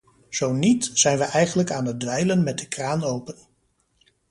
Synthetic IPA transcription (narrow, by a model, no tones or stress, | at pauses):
z̥ownitsz̥ɛjnʋəʔɛjχənləkaːnəd̚dʋɛjlənmɛt̚dəkraːnowpən